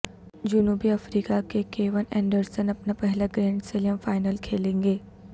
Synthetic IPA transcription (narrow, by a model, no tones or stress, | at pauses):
d͡ʒʊnuːbiɐfɾiːkakekeːʋənɛ̃ːɳɖəɾsənɐpnapɛɦlaɡɾɛ̃ːɳɖseljə̃mfaːɪnəlkʰeːlẽːŋɡeː